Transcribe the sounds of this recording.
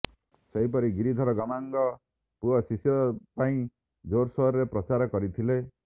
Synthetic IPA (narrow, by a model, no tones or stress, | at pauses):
seɦip̬ɔɾiɡiɾid̪ʱɔɾɔɡɔmaŋɡɔ | puɔsisjɔpaĩ | d͡ʒoɾsɔɾɾepɾɔt͡ʃaɾɔkɔɾit̪ʰile